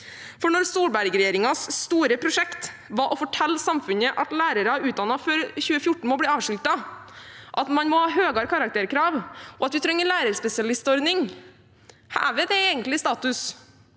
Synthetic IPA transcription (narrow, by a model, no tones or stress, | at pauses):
fɔɳɔɾsuːɽbæɾɡɾɛjeːɾɪŋɑsːt̪uːɾəpʰɾʊʂɛkt̪ | ʋɑʔɔfɔʈʰɛlːsɑmfʉnəʔɑt̪læːɾəɾɑʉːt̪̚d̪ɑnɑfɔɾçʉːəfjʊʈɳ̩mɔbliːɑːʋʂʏlt̪ɑ | ʔɑt̪mɑnmɔhɑːɦøːɡɑɾkʰɑɾɑk̚t̪ʰeːɾkʰɾɑːʋɔɑt̪ʋɪt̪ʰɾɛŋːəɭæːɾəɾspɛsɪɑlɪst̪ɔɾnɪŋ | hæ̰ːʋɛd̪ɛeːɡənt̪lɪst̪ɑːt̪ʉs